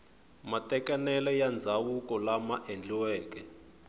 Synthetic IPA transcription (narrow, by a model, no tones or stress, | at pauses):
matɛkanɛlɛjand͡zʱawukɔlamaʔend͡ɮiwɛːkɛ